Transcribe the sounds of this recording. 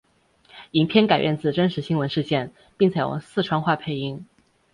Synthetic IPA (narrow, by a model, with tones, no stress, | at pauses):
i˨˩ŋpʰjɛ˥˧nka˨˩ɪjɛ˥˧nt͡sɹ̩˥˩ʈ͡ʂə˥nʂɻ̩˧˥ɕi˥ŋwə˧˥nʂɻ̩˥˧ɕjɛ˥˩n | pi˥˩ŋt͡ɕʰe˧˥ɪjo̰˨˩ʊsɹ̩˥˩ʈ͡ʂʰwɑ˥ŋxwa˥˩pʰe˧˥˩ɪi˧˥ŋ